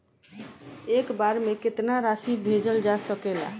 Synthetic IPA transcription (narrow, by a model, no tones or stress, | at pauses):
ekbaɾmeket̪naɾasibʱed͡ʒəld͡ʒasəkela̰